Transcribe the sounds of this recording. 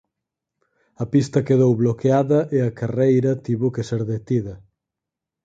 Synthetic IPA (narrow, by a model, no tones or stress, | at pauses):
ɐpist̪ɐkeðowβlokeaðɐʔeɐkarejɾɐt̪iβʊkeseɾðet̪iðɐ